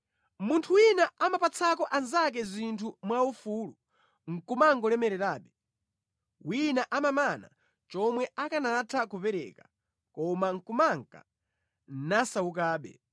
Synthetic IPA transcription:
muntʰuwinaamapat͡sʰakɔʔanzak̬ɛzintʰumwaufuːlu | ŋ̩kumaŋɡɔlɛmɛɾɛɾaːɓɛ | winaʔamamana̰ | t͡ʃɔmwɛʔakanaatʰakupɛɾɛ̰ka | kɔmaŋ̩kumaŋka̰ | nasauk̬aːɓɛ̰

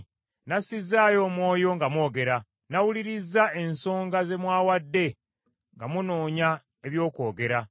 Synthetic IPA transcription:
nasizaːjo̞ːmwo̞ːjo̞ŋɡamwo̞ːɡe̞ɾa | nawuliɾizːae̞nso̞ːŋɡaze̞mwaːwadːe̞ | ŋɡamuno̞ːɲa | eβjo̞ːko̞ːɡe̞ɾa

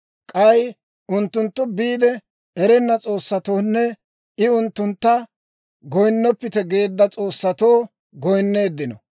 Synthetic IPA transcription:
kʼɐj | ʊnt̪ːʊnt̪ːʊbiːd̪ɛ | ɛɾɛnːɐt͡sʼo̞ːsːɐt̪oːnːɛ | ɪʊnt̪ːʊnt̪ːɐ | ɡɔjnːɔpːɪt̪ɛɡe̞ːd̪ːɐt͡sʼo̞ːsːɐt̪oː | ɡɔjnːeːd̪ːɪnɔ

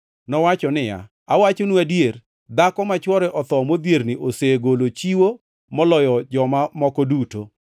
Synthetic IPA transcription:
nɔwat͡ʃɔnɪja̰ | awat͡ʃonuadjeɾ | d̪akɔmat͡ʃwɔɾɛʔɔt̪ɔmod̪jeɾnɪʔoseɡolot͡ʃiwo | mɔlɔjɔd͡ʒɔmamɔkɔduto

